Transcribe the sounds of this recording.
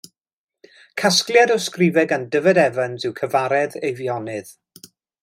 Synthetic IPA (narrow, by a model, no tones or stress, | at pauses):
kʰasklˠjadɔskrɪvɛɡandəvɛdɛvənzɨwkʰəvaɾɛðejvjɔnɨð̥